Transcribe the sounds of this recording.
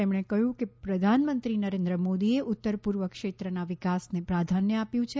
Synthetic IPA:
emɳ̃ekəɦjũkepɾəd̪ʱanmənt̪ɾinəɾend̪ɾəmod̪ieʔʊt̪ːəɾpuɾʋəkʂet̪ɾənaʋɪkasnepɾad̪ʱanjəapjũt͡ʃʰe

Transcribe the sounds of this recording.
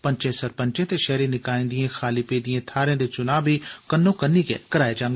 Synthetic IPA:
pəɲt͡ʃẽːsəɾpə̃ɲt͡ʃẽːt̪eːʃɛːɾiːnɪkaːĩːnd̪ijẽːxʰaːliːpeːd̪ijãːt̪ʰaːɾẽːd̪eːt͡ʃʊnaːbiːkənːõːkənːiːkḛːkəɾaːeːd͡ʒãːŋɡeː

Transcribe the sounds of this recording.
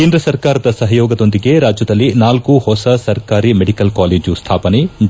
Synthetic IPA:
keːnd̪ɾɐsɐɾkaːɾɐd̪ɐsɐɦɐjoːɡɐd̪o̞nd̪iɡe̞ɾaːd͡ʒjɐd̪ɐlːinaːlkuhɔsɐsɐɾkaːɾimeɽikɐlkaːleːd͡ʒust̪ʰaːpɐne

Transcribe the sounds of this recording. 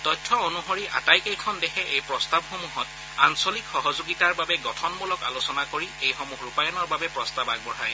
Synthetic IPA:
tɔjtʰːɔonuɦoɹiʔa̰tajkejkʰɔndɛxʰɛʔejpɹɔstabxomuɦɔt | ansolikxɔɦɔzoɡitaɹbabɛɡɔtʰɔnmulɔka̰losɔnakoɹiejxomuxɹupajɔnɔɹbabɛpɹɔstabak̚bɔɹa̰j

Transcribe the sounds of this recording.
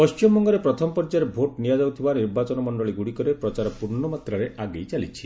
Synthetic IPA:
pɔst͡ʃimɔŋɡɔɾepɾɔt̪ʰɔmɔpɔɾd͡ʒaɾebʱoʈnijad͡ʒawt̪ʰibaniɾbat͡ʃɔnɔmɔɳɖɔɭiɡuɽikɔɾepɾɔt͡ʃaɾɔpuɾɳɔmat̪ɾaɾeʔaɡejt͡ʃalit͡ʃʰi

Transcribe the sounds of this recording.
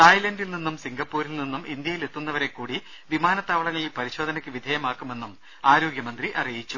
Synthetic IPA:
t̪ɐjlɐndilninːumsiŋɡɐpːuːɾilninːumind̪jɐjile̞t̪ːunːɐʋɐɾe̞kːuːɽi | ʋimaːnɐt̪ːaːʋɐɭɐŋːɐɭilpɐɾiɕo̞ːd̪ʱɐnɐkʲːɨʋid̪ʱɐjɐmaːkːume̞nːum | aːɾo̞ːɡjɐmɐnd̪riʔɐrijit͡ɕːu

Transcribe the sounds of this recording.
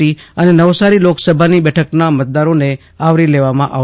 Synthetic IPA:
iənenəʋsaɾiloksəbʱanibɛʈʰəknamət̪̚d̪aɾone | aʋɾileʋamãʔa

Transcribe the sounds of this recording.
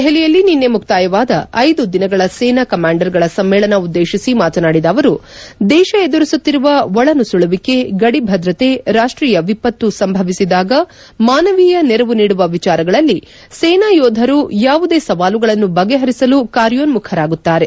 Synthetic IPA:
ɦelijɐlːininːe̞muk̚ʰt̪aːjɐʋaːd̪ɐɐjd̪ud̪inɐɡɐɭɐsɛːnaːkɐmaːɳɖɐɾɡɐɭɐsɐmːeːɭɐnɐud̪ːeːʃisimaːt̪ɐnaːɽid̪ɐːʋɐɾud̪ɛːʃɐed̪uɾisut̪ːiɾuʋɐʋɔɭɐnusuɭɐʋike̞ɡɐɽibʱɐd̪ɾɐt̪e̞ɾaːʂʈɾiːjɐʋipɐt̪ːusɐmbʱɐʋisid̪aːɡɐ | maːnɐʋiːjɐnɛɾɐʋuniːɽuʋɐʋit͡ʃaːɾɐɡɐɭɐlːi | sɛːnaːjoːd̪ʱɐɾujaːʋud̪e̞ːsɐʋaːluɡɐɭɐnːubɐɡe̞ɦɐɾisɐlukaːɾjoːnmukʰɐɾaːɡut̪ːaːɾe̞

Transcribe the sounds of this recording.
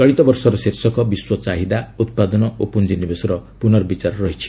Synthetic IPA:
kɔɭ̃it̪ɔbɔɾsɔɾɔseɾsɔkɔbiswɔt͡ʃaɦid̪aut̪̚pad̪ɔnɔʔopund͡ʒinibesɔɾɔpunɔɾbit͡ʃaɾɔɾɔɦit͡ʃʰi̥

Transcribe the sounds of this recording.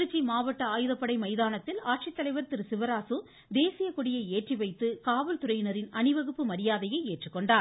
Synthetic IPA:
ɯt͡ʃːimaːʋɐʈːɐaːjɯðɐpːɐɽɐɪmɐɪðaːnɐt̪ːɪlaːʈʂit̪ːɐlɐɪʋɐɾt̪ɪɾɯsɪʋɐɾaːsɯ | d̪eːsɪjɐkʊɽɪjɐɪeːʈriʋɐɪt̪ːɯkaːʋɐlt̪ʊɾɐjɪnɐɾɪnɐnɪʋɐɣɯpːɯmɐɾɪjaːðɐjɐɪeːʈrɯkːɔɳɖaː

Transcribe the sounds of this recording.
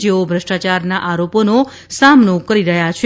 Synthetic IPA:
d͡ʒeobʱɾəʂʈat͡ʃaɾnaʔaɾopono | samnokəɾiɾəɦjat͡ʃʰ

